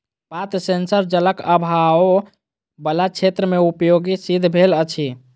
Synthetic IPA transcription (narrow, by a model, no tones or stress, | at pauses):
pat̪əsensəɾd͡ʒələkəbʱao | bəlat͡ʃʰet̪ɾəmeupjoɡisid̪ʱbʱelət͡ʃʰi